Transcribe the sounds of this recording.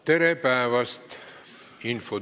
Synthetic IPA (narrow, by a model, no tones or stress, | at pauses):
t̪eɾepæːʋɐst̪ | info